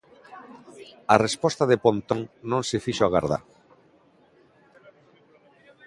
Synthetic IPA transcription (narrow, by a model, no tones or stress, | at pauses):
arespɔst̪aðepont̪õŋnõŋsefiʃoaɣa̰ɾða̰ɾ